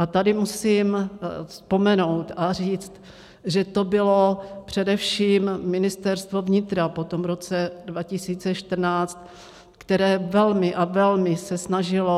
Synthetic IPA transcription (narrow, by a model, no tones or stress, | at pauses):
ʔat̪adɪmusiːmspo̞mɛno̞wt̪ʔar̝iːt͡st̪ | ʒɛt̪o̞bɪlopr̝̥ɛdɛfʃiːmmɪnɪst̪ɛɾst̪vo̞vɲɪt̪ɾapot̪omvɾo̞t͡sɛdvacɪsiːt͡sɛʃt̪r̩naːt͡st̪ | kt̪ɛɾɛːvɛlmɪʔavɛlmɪsɛsnaʒɪlo